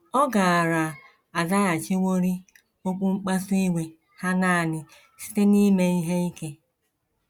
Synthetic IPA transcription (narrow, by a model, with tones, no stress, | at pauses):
ɔ˦ɡa˨a˨ɾa˨ | a˨da˦ja˨t͡ʃi˦wʷo˦ɾi˦ | o˦k͡pu˦ŋ͡m̩˦k͡pa˦su˦i˦wʷe˨ | ha˦na˦a˨nɪ˨ | si̥˦te˦ni˦me˦i˦ɦe˦i˦ke˦